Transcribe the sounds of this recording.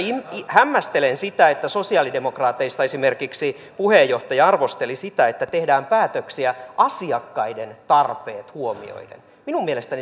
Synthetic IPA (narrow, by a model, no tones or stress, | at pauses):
iihæmːæst̪elensit̪æet̪ːæso̞siɑːlidemo̞krɑːt̪ːˑeist̪ɑesimerkiksi | puhejjo̞ht̪ɑjɑɑrʋost̪elisit̪æet̪ːæt̪ehdæːmpæːt̪øksiæʔɑsiɑkːɑident̪ɑrpeːt̪huomḭo̰idḛn | minummielest̪æni